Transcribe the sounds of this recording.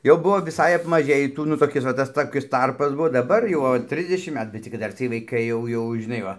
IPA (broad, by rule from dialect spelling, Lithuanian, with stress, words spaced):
jɛʊ ˈbʊʋoː ʋʲɪˈsɐɪ ɐpmɐˈʒʲeːjiː ˈtuː nʊ toːˈkʲɪs ʋɐ tɐs toːˈkʲɪs ˈtɐrpɐs ˈbuɔ dɐˈbɐr jɛʊ oː ˈtʲrʲɪzʲdʲɛʃʲɪm ˈmʲæːtʊ bʲɛt t͡sʲɪk kɐt ˈdɐr t͡sʲiɛj ʋɐɪˈkɐɪ jɛʊ ˈjɛʊ ʒʲɪˈnɐɪ ˈʋɐ